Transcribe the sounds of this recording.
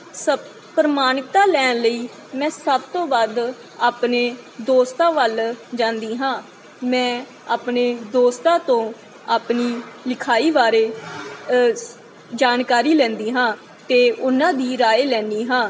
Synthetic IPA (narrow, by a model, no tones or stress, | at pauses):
sə | pɾəmaːnɪt̪aːlɛːnləiː | mɛ̃ːsəbt̪õːbaːd̪ | aːpneːd̪oːst̪ãːʋəld͡ʒãːnd̪iːɦãː | mɛ̃ː | aːpneːd̪oːst̪ãːt̪õː | aːpniːlɪkʰaːiːʋaːɾeː | d͡ʒaːnkaːɾiːlɛ̃ːnd̪iːɦãː | t̪eːʊnãːd̪iːɾaːeːlɛ̃ːniːɦãː